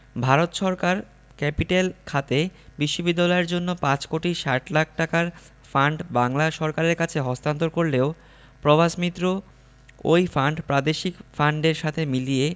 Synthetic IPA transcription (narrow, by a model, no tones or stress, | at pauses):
bʱaɾot̪ʃɔɾkaɾ | kɛpiʈelkʰat̪ebiʃːobid̪ːalɔeɾd͡ʑonːopãt͡ɕkoʈiʃaʈlak̚ʰʈakaɾ | faɳɖbaŋlaʃɔɾkaɾeɾkat͡ɕʰeɦɔst̪ant̪oɾkoɾleo | pɾobʱaʃmit̪ːɾo | ojfaɳɖpɾad̪eʃikfaɳɖeɾʃat̪ʰemilije